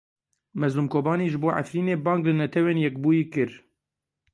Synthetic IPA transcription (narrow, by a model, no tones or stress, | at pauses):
mɛzluːmkʰoːbɑːniːʒɨboːʕa̰fɾiːneːbɑːŋɡlɨnɛt̪ʰɛweːnjɛk̚buːjiːkɨɾ